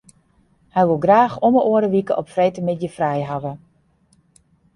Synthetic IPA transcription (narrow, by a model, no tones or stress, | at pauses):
hɛjʋolˠɡraːxoməʔoəɾəʋikəʔɔpfrejtəmɪtjəfrɛjɦaʋə